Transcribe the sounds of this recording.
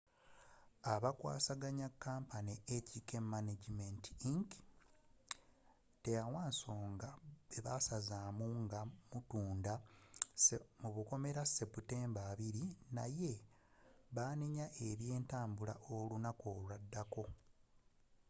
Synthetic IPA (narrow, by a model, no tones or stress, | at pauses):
aβakwa̰ːsaɡaɲakːaːmpaneecikemːaned͡ʒimentiiŋk | te̞jawaːnso̞ːŋɡaeβasazaːmuŋɡamutuːndasemuβuko̞me̞ɾase̞pute̞ːmbaːβiɾinaje̞ | βaːniɲaʔeβje̞ːntaːmbula̰ʔo̞lunako̞ːlwadːako̞